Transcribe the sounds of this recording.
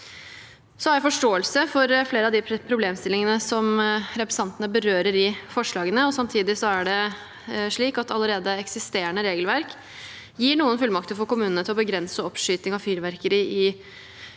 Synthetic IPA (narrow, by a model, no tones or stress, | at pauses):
sɔhæjæfɔʂʈoːəlsəfɔɾfleːɾəɑʋd̪ɪpʰɾʊbleːmst̪ɪlɪŋənəsɔmɾɛpɾɛsɑnt̪ənəbəɾøːɾəɾɪfɔʂɭɑːɡənəɔsɑmt̪ʰiːd̪ɪsɔæɖɛ | ʂɭiːkɑt̪ɑləɾeːd̪əɛksɪst̪eːɾəɳəɾeːɡəlʋæɾk | jiːɳuːənfʉlmɑk̚t̪ʰəlfoɔːkʊmʉːnənt̪ɪlɔbəɡɾɛnsəɔpʂyːt̪nɪŋɑʋfyːɾʋæɾkəɾəɪ